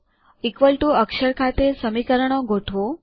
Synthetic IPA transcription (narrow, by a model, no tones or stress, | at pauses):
ikʋəlʈuəkʃəɾkʰat̪esəmikəɾəɳ̃õɡoʈʰʋo